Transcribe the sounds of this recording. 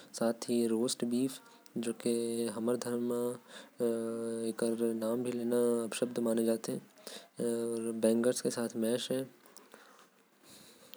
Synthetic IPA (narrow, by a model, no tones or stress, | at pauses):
saːt̪ʰiɾoːsʈbiːf | d͡ʒoːkeɦɐməɾd̪ʱəɾm | eːkəɾnaːmbʱileːnaɐbʃəbd̪maːned͡ʒaːt̪eɦɛ̃ | ɔːɾbɛ̃ːŋɡəɾskesaːt̪ʰmɛːʃɦɛː